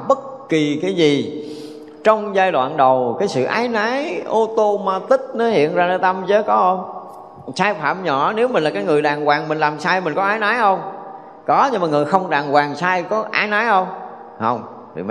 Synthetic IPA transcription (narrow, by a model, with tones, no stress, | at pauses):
ɓə˦˥t̚ki˨˩kaː˨˦jzi˨˩ | t͡ɕɔ˧wŋ͡mzaː˧jɗwa̰ː˧˨nɗə˨˩wkaː˨˦jsɨ̰˧˨ʔa̰ː˨˦jnaː˨˦jʔo˧t̪o˧maː˧t̪ï˦˥k̚nɔ˨˦hḭ˧˨ənzaː˧nː˨˦t̪a˧mzəː˨˦jkɔ˨˦ʔə˧wŋ͡m | saː˧jfa̰ː˧˩mɲɔ̰˧˩ne˨˦wmi˨˩ŋ̟laː˨˩kaː˨˦jŋɨ˨˩əjɗaː˨˩ŋkwaː˨˩ŋmï˨˩ŋlaː˨˩msaː˧jmï˨˩ŋ̟kɔ˨˦ʔaː˨˦jnaː˨˦jhə˧wŋ͡m | kɔ˨˦ɲɨ˧ŋmaː˨˩ŋɨ˨˩əjxə˧wŋ͡mɗaː˨˩ŋkwaː˨˩ŋsaː˧jkɔ˨˦ʔaː˨˦jnaː˨˦jhə˧wŋ͡m | hə˧wŋ͡m̰ | m˧